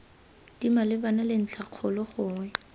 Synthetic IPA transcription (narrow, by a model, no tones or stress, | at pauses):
d̥imalɪbanalɪn̩t͡ɬʰaq͡χʰʊlɔχʊːŋwɛ